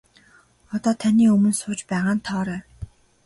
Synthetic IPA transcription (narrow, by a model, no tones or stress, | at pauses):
ɔt̪ɔːt̪ʰaniːɵmɵ̆nsʊːt͡ɕpæːʁaːnt̪ʰɔːɾæː